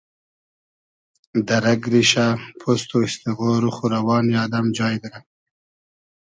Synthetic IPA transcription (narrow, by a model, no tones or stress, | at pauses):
d̪ɐɾɐɡɾiɕapʰost̪oist̪iɣoːɾuxuɾawɑːnijɑːd̪ɐmd͡ʒɑːjd̪ɾa